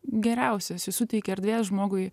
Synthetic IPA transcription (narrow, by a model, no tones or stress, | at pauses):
ɡʲɛɾʲɛʊsʲɛsʲɪsʊt̪ʲɛɪkʲɛɛɾd̪ʲʋʲeːsʒmoːɡʊɪ